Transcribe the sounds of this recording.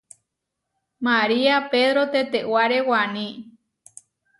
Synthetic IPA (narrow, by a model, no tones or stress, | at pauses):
maɾiapeðɾot̪et̪ewaɾewanĩ